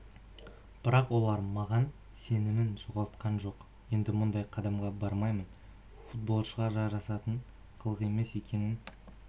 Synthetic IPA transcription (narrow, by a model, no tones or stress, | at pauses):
b̥ɪɾɑqwo̞lˠɑɾmɑʁɑn | se̞nɪmɪnʒoʁɑlˠt̪̚qɑnʒo̞q | je̞nd̪ɪmʊnd̪ɑjqʰɑd̪ɑmʁɑbɑɾmɑjmən | fut̪̚bo̞lˠʃəʁɑʒɑɾɑsɑt̪əɴ | qʰəlˠəʁe̞me̞se̞kʲe̞nɪn